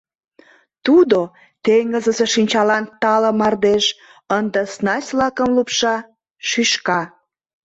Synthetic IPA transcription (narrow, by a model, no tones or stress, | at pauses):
t̪ud̪o | t̪eŋɡəzəzeʃinʲt͡ɕɑlɑnt̪ɑləmɑrd̪eʃ | ənd̪əsnɑsʲlɑkə̆mlupʃɑ | ʃyʃkɑ